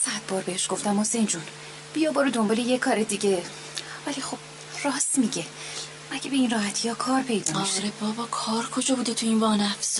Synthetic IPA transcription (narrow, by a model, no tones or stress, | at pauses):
sæd̪̥̚bɒːɾbeheʃɡ̥o̞ft̪æmho̞sejnd͡ʒun | b̥ijɒːbɒːɾud̪ombɒːlejekʰɒːɾed̪iɟe | vælixo̞b̥ | rɒːsmiɟe | mæɟebeiːnrɒːhæt̪ʰijɒːkʰɒːɾpʰe̞jd̪ɒːɒʃɾebɒvɒːkʰɒːɾkʰod͡ʒɒːbud̪et̪ʰuinvɒːnæfs